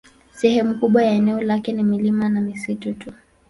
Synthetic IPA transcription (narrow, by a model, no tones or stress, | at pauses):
sɛhɛmukuɓwajaɛnɛɔlakɛnimilimanamisitutu